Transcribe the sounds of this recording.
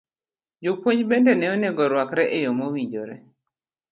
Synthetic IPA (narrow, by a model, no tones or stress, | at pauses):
d͡ʒopwoɲbendɛnɛoneɡɔɾwakɾɛʔejomowiɲd͡ʒoɾɛ̰